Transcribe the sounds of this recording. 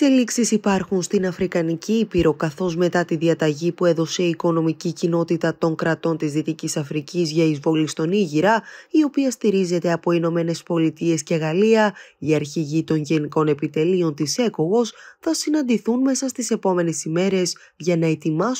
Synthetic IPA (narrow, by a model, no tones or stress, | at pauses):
seliksisipɐɾxunst̪inɐfɾikɐniciipiɾo̞kɐθo̞zme̞t̪ɐt̪iðiɐt̪ɐʝipue̞ðo̞se̞iko̞no̞micicino̞t̪it̪ɐt̪o̞ŋkɾɐt̪o̞nt̪izðit̪icisɐfɾicizʝɐizvo̞list̪o̞niʝiɾɐio̞piɐst̪iɾize̞t̪eɐpo̞ino̞me̞ne̞spo̞lit̪ie̞sce̞ɣɐliɐiɐɾçiʝit̪o̞nʝe̞niko̞ne̞pit̪e̞lio̞nt̪ise̞koɣo̞sθɐsinɐnd̪iθunme̞sɐst̪ise̞po̞me̞ne̞sime̞ɾe̞z | ʝɐnɐe̞t̪imɐ